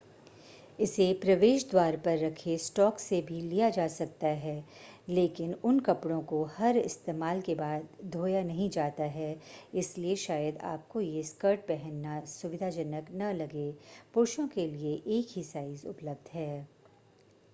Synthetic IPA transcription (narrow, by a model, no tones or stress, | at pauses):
ɪsepɾɐʋeːʃd̪waːɾpɐɾːɐkʰesʈɔːksebʱilijad͡ʒaːsɐk̚t̪aɦɛː | leːkɪnʊnkɐpɽõkohɐɾɪ̰st̪eːmaːlkebaːd̪d̪ʱoːjanɐɦĩd͡ʒaːt̪aɦɛɪslieʃaːjəd̪a̰ːp̚kojeskəɾʈ̚bɛɦɛnːasʊʋɪd̪ʱad͡ʒɐnəknɐlɐɡepʊɾʃõkelieʔeːkɦisaːɪzʊ̰pləb̚d̪ʱɦɛː